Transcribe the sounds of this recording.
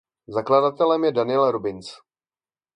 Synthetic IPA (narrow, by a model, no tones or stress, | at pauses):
zakladat̪ɛlɛmjɛdanɪɛlɾobɪnt͡s